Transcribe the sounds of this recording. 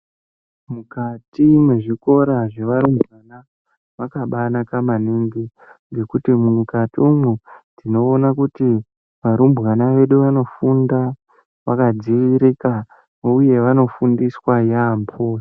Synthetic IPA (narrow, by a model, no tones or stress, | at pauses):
mukatimweʐiko̞ɾaʐe̞ʋaɾumbʱɣana | ʋakaɓanakamaniŋɡi | ŋɡe̞kutimuukatiumwudino̞ːnakuti | ʋaɾumbɣanaʋe̞ɗuʋano̞funda | ʋakad͡ziʋiɾika | uje̞ʋano̞fundiswajampʰos